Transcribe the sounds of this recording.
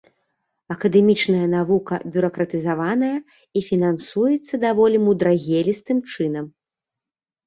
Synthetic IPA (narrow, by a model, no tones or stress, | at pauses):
ɐkɐd̪ɛmʲit͡ʂnɐjɐnavukɐ̰bʲuɾɐkɾɐt̪ɨzavanɐjɐ | ifʲinansujɛt̪sːɐd̪avɔlʲimud̪ɾaɣʲelʲist̪ɨmt͡ʂɨn̪ɐm